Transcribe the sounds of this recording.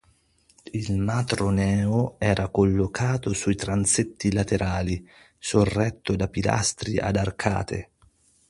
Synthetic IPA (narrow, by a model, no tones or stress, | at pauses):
ilmat̪ɾonɛːoɛːɾʔakolːokʰaːt̪osuit̪ɾant̪set̪ːilat̪eɾʔaːli | sorːɛt̪ːod̪apila̰st̪ɾiʔa̰d̪arkʰa̰ːt̪ʰḛ